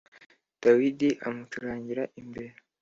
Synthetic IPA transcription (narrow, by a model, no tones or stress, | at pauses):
d̥awidiʔa̰mut͡ʃuɾaːɲɟiɾaʔimbe̞ɾe